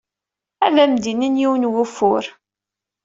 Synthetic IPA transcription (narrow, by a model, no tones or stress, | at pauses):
æðæmd̪inənjiwənwʊfʊɾ